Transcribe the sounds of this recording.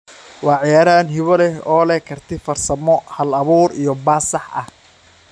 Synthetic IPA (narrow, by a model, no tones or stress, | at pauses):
wɑːʕɪjaːɾɐɐnɦɪβɔlɛhɔːlɛkʰɐrt̪ʰɛfɐrsɐmɔhɐlɐβuːɾijɞbaːsɑħɐ̰h